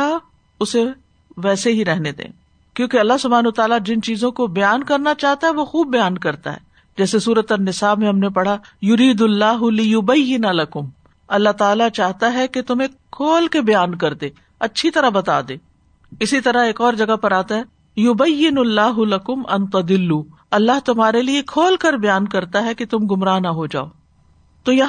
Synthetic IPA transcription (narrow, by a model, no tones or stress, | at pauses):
a | ʊse | ʋɛːseɦiɾɛɦned̪ḛ̃ː | kjõːkeɐlːaɦsʊbʱaːnut̪aːlad͡ʒɪnt͡ʃiːzõkobɐjaːnkɐɾnat͡ʃaːɦt̪aɦɛʋoxuːb̚ːɐjaːnkɐɾt̪a̰ɦɛ̰ː | d͡ʒɛːsesuːɾət̪ɐnɪsaːbmẽɦɐmnepɐɽ̤ajʊɾiːd̪ɐlːaːɦʊlɪjʊbɐjːɪnalɐkʊm | ɐlːat̪aːlat͡ʃaːɦt̪aɦɛket̪ʊmẽkʰoːlkebɐjaːnk̬ɐɾd̪eː | ɐtːʃʰit̪ɐɾaɦbɐt̪aːd̪eː | ɪsit̪ɐɾaɦeːkɔːɾd͡ʒɐɡapɐɾaːt̪aɦɛː | jʊbɐjːɪnlːaːɦʊlɐkʊmʔɐ̃nt̪ɐd̪ɪlːuː | ɐlːaɦt̪ʊmɦaːɾeliekʰoːlkɐɾbɐjaːnkɐɾt̪aɦɛket̪ʊmɡʊmɾaːnaɦod͡ʒa̰ːo̰ː | t̪oːjɐ